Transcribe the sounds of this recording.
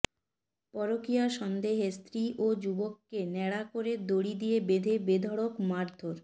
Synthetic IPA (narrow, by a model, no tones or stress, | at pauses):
pɔɾokijaʃɔnd̪eɦest̪ɾiʔod͡ʑubokːenɛɽakoɾed̪oɽid̪ijebed̪ʱebed̪ʱɔɽokmaɾd̪ʱoɾ